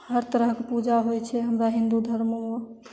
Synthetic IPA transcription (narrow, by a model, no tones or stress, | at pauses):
həɾt̪əɾəɦkepud͡ʒaɦojt͡ʃʰɛɦəmɾaɦĩnd̪ud̪ʱəɾməmə